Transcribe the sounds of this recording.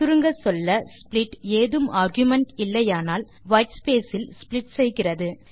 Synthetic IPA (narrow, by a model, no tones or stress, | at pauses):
t̪ʊɾɯŋɡɐsɔlːɐsplɪʈːeːðɯmaːɾɡjʊmɐɳʈɪlːɐjaːnaːl | ʋɐɪʈspeːsɪlsplɪʈsɛjɣɪrɐðɯ